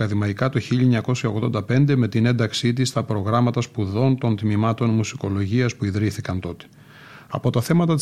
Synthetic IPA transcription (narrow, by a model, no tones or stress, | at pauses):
ɐðimɐikɐt̪oçiʎɐɲɐko̞sjɐo̞ɣðo̞nd̪ɐpe̞nd̪e̞me̞t̪ine̞nd̪ɐksit̪̬ist̪ɐpɾo̞ɣɾɐmɐt̪ɐspuðo̞nt̪o̞nt̪mimɐt̪o̞nmusi̥ko̞lo̞ʝiɐspuiðɾiθikɐnt̪o̞t̪e̥ | ɐ̰po̞t̪ɐθe̞mɐt̪ɐt̪i